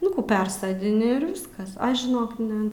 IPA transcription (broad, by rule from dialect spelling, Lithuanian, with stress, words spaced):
nʊ ˈkuː ˈpʲɛrsoːdʲɪnʲɪ ɪr ˈʋʲɪskɐs ˈɐʃ ʒʲɪˈnoːk ˈnʲɛ